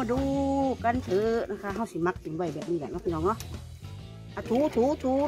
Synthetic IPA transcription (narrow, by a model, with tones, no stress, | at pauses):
duː˧ka˧˨nt̪ʰɯː˨˦na˧˨kʰa˧˨ɦa˧˩˨wsi˨˦ma˧k̚pi˨nwɔ˧˩jbɛː˨˩p̚niː˧˨a˨nɔ˧kʰa˧˨nɔː˧˩˨lɔ˧˨ | ʔa˧˩t̪ʰuː˨˦t̪ʰuː˨˦t̪ʰuː˨˦